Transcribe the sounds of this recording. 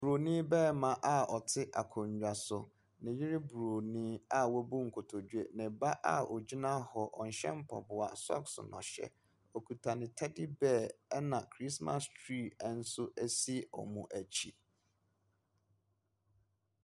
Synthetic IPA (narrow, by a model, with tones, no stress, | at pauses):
bɾo˨nĩ˦bɛː˦˨mã˨ʔa˦ɔ˨tʰɪ˦ʔa˨kʰʊ̃˨ɲ˨d͡ʑᶣa˨sʊ˨ | nɪ̃˨jɪ˦ɾɪ˦bu˨ɾo˨nĩː˦a˦wɔ˦bu˦ŋ̩˨kʰʊ˨tʰɔ˨d͡ʑu˦e˦˨nɪ̃˨ba˦ʔa̰˦ɔ˨d͡ʑi˦nã˦hɔ˨ʔɔ˨n̩˨ɕɛ̰̃˦m̩˦pʰɔ̰˨bʊ˨a˨sɔ̰˦ksʊ̰˨nɔ̰̃˨ɕɛ̰˦ | ɔ˨kʰu˨tʰa˨nɪ̃˨tʰa˦dɪ˦bɛ˦˨ɛ˦nã˨kʰɾi˦sma̰˦stʰɾi˦˨˦n̩˦sʊ˦ʔæ˦si˦˨ʔɔ̰˨mũ˨ʔæ˨t͡ɕʰi˦